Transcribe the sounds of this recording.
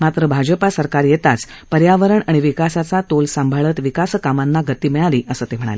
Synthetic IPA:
mat̪ɾəbʱad͡ʑəpasəɾkaɾjet̪at͡spəɾjaʋəɾəɳaɽ̃iʋikasat͡sat̪olsəmbʱaɭət̪ʋikaskamanːaɡət̪iːmiɭaliːʔəsəːt̪em̤əɽ̃a̰le

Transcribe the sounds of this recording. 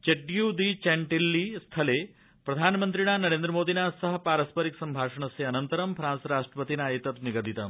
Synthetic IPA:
t͡ʃeʈjud̪it͡ʃɛɳʈilːist̪ʰɐle | pɾɐd̪ʱaːnmənt̪ɾiɳ̃aːnɐɾeːnd̪ɾəmoːd̪inasɐɦə̆paːɾɐspəɾiksɐmbʱaːʂɐɳ̃ɐseɐnɐnt̪əɾɐmpʰɾãːnsɾaːʂʈɾəpət̪inaet̪ɐt̪niɡəd̪it̪am

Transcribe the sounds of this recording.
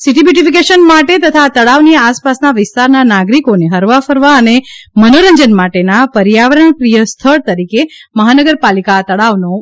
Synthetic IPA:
siʈibiʈifikeʃənmaʈet̪ət̪ʰat̪əɭaʋniaspasnaʋɪst̪aɾnanaɡɾikoneɦəɾʋafəɾʋaənemənoɾəɲd͡ʒənmaʈenapəɾjaʋɾəɳpɾijəst̪ʰəɭt̪əɾikeməɦanəɡəɾpalikat̪əɭaʋno

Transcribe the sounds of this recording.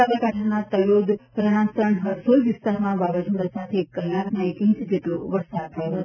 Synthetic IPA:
alikaʈʰanat̪əlod̪ɾəɳãsəɳɦəɾsolʋɪst̪aɾmãbabad͡ʒuɽasat̪ʰekːəlːakmãekĩsd͡ʒeʈloʋəɾsad̪̚t̪ʰəjoɦ

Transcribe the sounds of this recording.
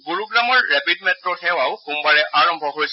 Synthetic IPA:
ɡuɹuɡɹamɔɹɹɛpidmɛtɹɔxɛwawxumbaɹɛʔaɹɔmbʱɔɦoɹjsɛ

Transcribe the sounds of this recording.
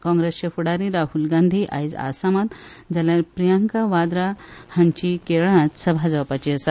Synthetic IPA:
kɔ̃ŋɡɾest͡ɕefuɽaɾiɾaɦulɡãnd̪ʱiʔa̰jd͡za̰samat̪d͡zaljaɾpɾijəŋkaʋad̪ɾahəɲt͡ɕikeɭ̃ãt͡ssəbʱad͡zəʋapat͡ɕiəsat̪

